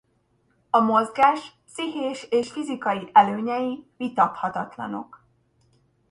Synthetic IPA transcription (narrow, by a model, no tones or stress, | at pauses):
ɒmo̞zɡaːʃ | siɦeːʃeːʃfizikɒjiʔɛløːɲɛjivit̪ɒt̪hɒt̪ɒt̪lɒ̰no̞̰k